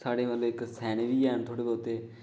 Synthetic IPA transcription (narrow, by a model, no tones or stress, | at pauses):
saːɽeːməloːɪksɛːɽ̃eʋiːɛːnt̪ʰoːɽeːboːt̪eː